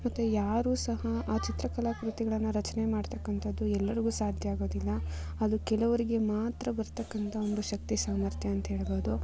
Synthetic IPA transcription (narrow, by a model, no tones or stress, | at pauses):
mɐt̪ːujaːɾuːsɐɦɐaːt͡ʃit̪ɾɐkɐlaːkɾut̪iɡɐɭɐnːuɾɐt͡ʃɐne̞maːɖt̪ɐkːɐnt̪ʰɐd̪ːuɛlːɐɾiɡuːsaːd̪ʱjɐaːɡo̞ːd̪ilːɐɐd̪ukɛlɐʋɐɾiɡe̞maːt̪ɾɐbɐɾt̪ɐkːɐnt̪ʰɐond̪uʃɐk̚t̪isaːmɐɾt̪ʰjɐɐnt̪ɐɦe̞ːɭbo̞ːd̪u